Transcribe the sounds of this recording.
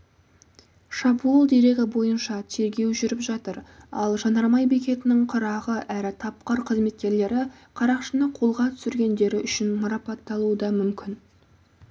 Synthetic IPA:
ʃɑbuəlˠd̪e̞ɾe̞ɡʲɪbo̞jənʃɑt̪ʰe̞ɾɡʲe̞wʒʏɾɪpʒɑt̪əɾɑ̰lˠʒɑnɑɾmɑjbekʲe̞t̪ɪnɪŋqʰʊɾɑʁəʔæɾɪt̪ʰɑp̚qɑɾqʰəzme̞t̪̚kʲe̞ɾle̞ɾɪ | qʰɑɾɑqʃənəqʰo̞lˠʁɑt̪ʰʏ̥sɪɾɡʲe̞nd̪e̞ɾɪʔʏʃɪnmɑɾɑpɑt̪ːɑlˠuəd̪ɑmʏmkʲʰɪn

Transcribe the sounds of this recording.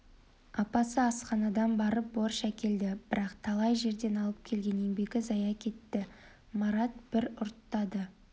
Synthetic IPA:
ɑpɑsəɑsqɑnɑd̪ɑnbɑɾəp̚boɾʃækʲe̞ld̪ɪb̥ɪɾɑqt̪ʰɑlˠɑjʒe̞ɾd̪e̞nɑlˠəp̚kʲʰe̞lɡʲe̞ne̞ŋbe̞ɡʲɪzɑjɑkʲʰe̞t̪ːɪ | mɑɾɑt̪̚b̥ɪɾʊɾt̪ːɑd̪ə

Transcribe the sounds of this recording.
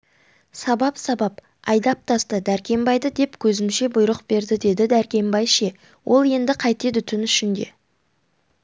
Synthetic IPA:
sɑbɑpsɑbɑp | ɑ̰jd̪ɑp̚t̪ʰɑst̪əd̪æɾkʲe̞mbɑjd̪əd̪e̞pkʲʰɵzɪmʃe̞bʊjɾəqb̥e̞ɾd̪ɪd̪e̞d̪ɪd̪æɾkʲe̞mbɑjʃe̞ | wʔo̞lˠje̞nd̪ɪqʰɑjt̪ed̪ʏt̪ʰɪnʏʃɪnd̪e̞

